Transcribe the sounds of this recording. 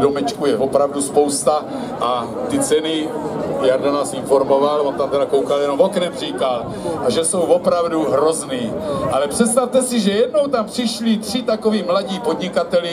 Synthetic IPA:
domɛt͡ʃkujɛvopɾavduspo̞wst̪a | ʔa | t̪ɪt͡sɛnɪjaɾdanaːsɪnfo̞ɾmo̞valont̪amt̪ɛɾakowkaljɛno̞moknɛmr̝iːkal | ʔaʒɛso̞wvopɾavduɦɾo̞zniːʔalɛpr̥ɛt̪st̪aft̪ɛsiʒɛjɛdno̞wt̪ampr̥ɪʃlit̪r̝̥ɪt̪ako̞viːmlaɟiːpodɲɪkat̪ɛlɪ

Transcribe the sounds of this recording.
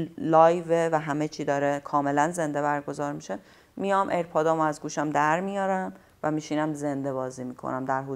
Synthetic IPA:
lɒːjvevæɦæmet͡ʃʰiːd̪ɒːɾekʰɒːme̞lænze̞nd̪e̞βæɾɡozɒːɾmiʃe | mijɒmʔe̞ɾpʰɒːd̪ɒːmoæzɡuːʃæmd̪æɾmijɒːɾæm | væmiːʃinæmze̞nd̪e̞βɒːziːmiːkʰo̰næmd̪æɾɦu

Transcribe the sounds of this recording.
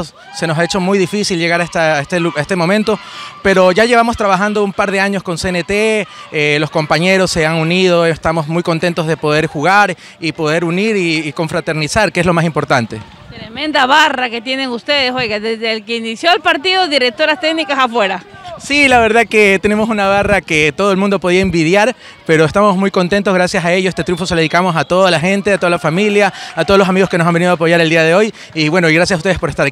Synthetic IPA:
s | se̞no̞s̬aet͡ʃo̞mujðifisilʝe̞ɣaɾaest̪aest̪euaest̪emo̞mẽ̞nt̪o̞pe̞ɾo̞ʝaʝe̞βamo̞st̪ɾaβaxand̪o̞umpaɾðe̞aɲo̞sko̞nsenet̪eelo̞sko̞mpaɲe̞ɾo̞sːe̞aŋunið̞o̞est̪amo̞zmujkont̪e̞nt̪o̞zð̞epo̞ð̞e̞ɾxuɣaɾ | ipo̞ðe̞ɾuniɾiːko̞ɱfɾat̪e̞ɾnisaɾkeeslo̞masimpo̞ɾt̪ant̪e̞̰ | t̪ɾemẽ̞nd̪aβaraket̪je̞ne̞ŋust̪e̞ðesojɣaðezðelkeinisjo̞alpaɾt̪iðoðiɾek̚t̪o̞ɾast̪eɡnikasafwe̞ɾasilaβe̞ɾðake̞t̪e̞ne̞mosunaβ̞arake̞t̪o̞ð̞oelmũnd̪o̞po̞ð̞iaembið̞jaɾ | pe̞ɾo̞est̪amo̞zmujko̞nt̪e̞nt̪o̞zɣɾasjasaeʝoest̪et̪ɾuɱfoselikamo̞sat̪o̞ðalaxe̞nt̪e̞at̪o̞ðalafamiljaːt̪olos̬amiɣoskenosambe̞niðoapo̞ʝaɾed̪iaðe̞o̞j | iβwe̞no̞iɣɾasjasaust̪e̞espo̞ɾest̪aɾ

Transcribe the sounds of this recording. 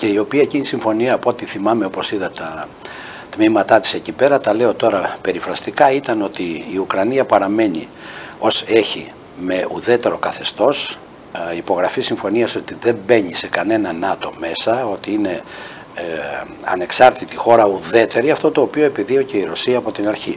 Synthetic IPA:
ce̞io̞piɐecinisiɱfo̞niɐːpo̞t̪iθimɐme̞o̞posiðɐt̪ɐ | t̪mimɐt̪ɐt̪i̥se̞cipe̞ɾɐt̪ɐle̞o̞t̪o̞ɾɐpe̞ɾifɾɐst̪ikɐit̪ɐno̞t̪iːukɾɐniɐpɐɾɐme̞ni | o̞se̞çi | me̞ʔuðe̞t̪e̞ɾo̞kɐθe̞st̪o̞s | ipo̞ɣɾɐfisiɱfo̞niɐso̞t̪iðe̞mbe̞ɲise̞kɐne̞nɐnɐt̪o̞me̞sɐo̞t̪iine̞ | ɐ̰ne̞ksɐɾt̪it̪ixo̞ɾɐuðe̞t̪e̞ɾiɐft̪o̞t̪o̞ːpio̞e̞piðio̞ce̞iɾosiɐːpo̞t̪inɐɾçi

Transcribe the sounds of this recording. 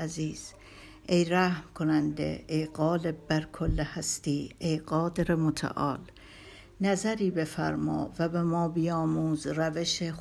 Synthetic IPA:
æziːz̥ | ʔejɾæhmkʰonænd̪ḛejɢɒːle̞b̚bæɾkʰolːehæst̪iːejɢɒːd̪eɾemot̪ʰæ̰ʔɒ̰ːl | næzæɾiːbe̞fæ̰ɾmɒ̰ːvæbemɒːbijɒːmuːzræveʃe

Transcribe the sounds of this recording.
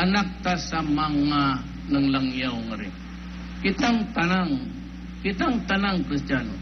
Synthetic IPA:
anak̚t̪asamaŋːa | nəŋlaŋjawŋəɾi | kit̪aŋt̪anaŋ | kit̪aŋt̪anaŋkɾist̪ianu

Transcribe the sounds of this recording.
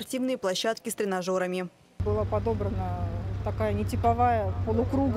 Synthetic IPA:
rtʲivnɨjəplˠɐɕːat̪kʲɪst̪ɾʲɪnɐʐo̞ɾəmʲɪ | bɨlˠapɐd̪o̞bɾənət̪ɐkajənʲɪtʲɪpɐvajəpəlˠʊkɾuɡ

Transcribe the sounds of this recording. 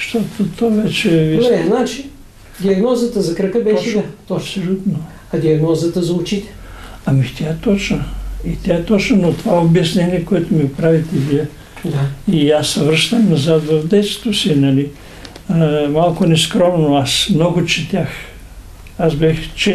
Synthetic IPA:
ʃt̪ot̪ot̪ʰovɛt͡ʃɛviɛnat͡ʃi | d̪ʲiɐɡnɔzət̪əzɐkɾəkəbɛʃɛasolʲut̪no | ɐd̪iɐɡnɔzət̪əzɐʊt͡ʃit̪ɛ̥ɐmit̪ʲaɛt̪ɔt͡ʃnɐit̪ʲaɛt̪ɔt͡ʃnonot̪ovaobjɛsnɛniɛkoɛt̪omiɡopɾavit̪ɛviə | d̪aiasːɐvɾəʃt̪əmnɐzat̪vɐvd̪ɛt̪st̪osinɐli | malˠkʊnɛskɾɔmnoasmnɔɡʊt͡ʃɛt̪ʲjax | asbɛxt͡ʃɛ

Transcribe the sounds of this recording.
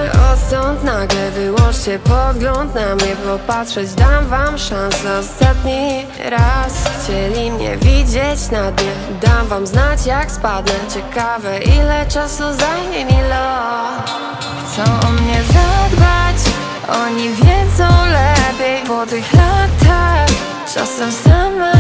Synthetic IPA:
ɔst̪ɔnt̪naɡlɛvɘwɔ̃nʂt͡ɕɛpɔd̪ɡlɔ̃nt̪namɲɛpɔpatʂɛd͡ʑd̪amvamʂansɛɔst̪at̪ɲi | ɾasxt͡ɕɛlʲimɲɛ̰vʲid͡ʑet͡ɕnad̪ɲɛ | d̪amvamznat͡ɕjakspad̪nɛt͡ɕɛkavɛʔilɛt͡ʂasuza | ɛmʲilɔ | xt̪sɔ̃w̃mɲɛzad̪bat͡ɕ | ʔɔɲivʲjɛd̪zɔ̃w̃lɛpʲjɛjvɔt̪ɨxat̪a | t͡ʂa̰sɛsam

